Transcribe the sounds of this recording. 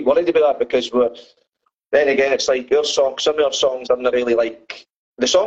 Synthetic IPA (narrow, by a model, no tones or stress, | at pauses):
wɔ̃nɪd̚təbəðəʔ̚b̥ɪkʰʌzwə | ðɛ̃nəɡɛ̃nɪtslˠaɪkjə˞sɔ̃ŋsʌ̃məvjə˞sɔ̃ŋzãnəɹilˠilˠaɪk | ðəsɔ̃